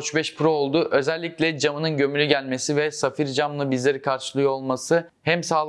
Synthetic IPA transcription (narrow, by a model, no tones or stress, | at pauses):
t͡ʃbɛʃpɾoːlˠd̪ʊʔø̞zɛlʲːiclʲɛd͡ʒamɯnɯnɟø̞mylʲyɟælʲme̞sivɛsafiɾd͡ʒamlˠabizlʲe̞ɾikʰaɾʃɯlˠɯjo̞lˠmasɯ | hɛmsaːlˠ